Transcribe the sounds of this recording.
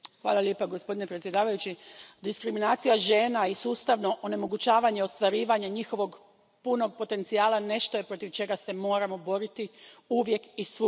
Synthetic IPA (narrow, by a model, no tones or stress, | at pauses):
xʋa̰ːlˠaljeːpaɡospo̞d̪ine̞pɾet̪sje̞d̪aːʋajut͡ɕid̪iskɾiminaːt̪sijaʒe̞ːnaisuːst̪aʋno̞ʔone̞mo̞ɡut͡ɕaːʋaɲe̞o̞st̪ʋaɾiːʋaɲaɲixo̞ʋo̞ɡ | puno̞ɡ̚po̞t̪e̞nt̪siaːlane̞ʃt̪oje̞pɾo̞t̪iʋt͡ʃe̞ɡase̞mo̞ːɾamo̞bo̞ɾit̪iuʋje̞kisu